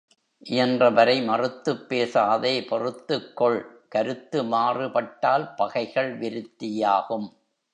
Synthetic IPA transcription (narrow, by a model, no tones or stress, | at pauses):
ʔɪjɐndrɐʋɐɾɐɪmɐrɯt̪ːɯpːeːsaːðeːpɔrɯt̪ːɯkːɔɭkɐɾɯt̪ːɯmaːrɯpɐʈːaːlpɐɣɐɪɣɐɭʋɪɾɯt̪ːɪjaːɣɯm